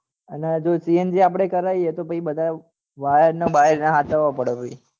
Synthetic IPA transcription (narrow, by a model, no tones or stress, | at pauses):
əned͡ʒosiend͡ʒiap̬əɽ̃ekəɾajet̪opəibəd̪ʱa | ʋaɦeɾnobaɦeɾnaɦat̪əʋapəɽopəi